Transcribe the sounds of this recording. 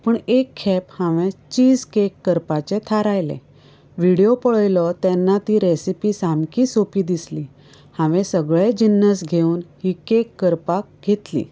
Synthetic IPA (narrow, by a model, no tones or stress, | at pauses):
pəɳekʰːɛphãʋẽt͡ɕiːd͡zkekːəɾpat͡ɕẽt̪ʰaɾajlḛ̃ | ʋiɽijopəɭəjlɔt̪ɛ̃nːat̪iːɾesipisamkisopiːd̪isli | hãʋɛ̃səɡɭed͡ʑinːəsɡʱeuːnhikekːəɾpak̚ɡʱet̪lḭː